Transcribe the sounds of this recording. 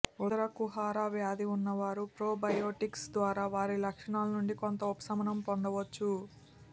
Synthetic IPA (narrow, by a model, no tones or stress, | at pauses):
uɐɾɐkuɦaːɾaːʋjaːd̪iunːɐʋaːɾupɾoːbɐjoːʈiksd̪ʋaːɾaːʋaːɾilɐkʂɐɳaːlɐnuɳɖikont̪ɐupɐ̥sɐmɐnɐmpond̪ɐʋɐt͡ʃːu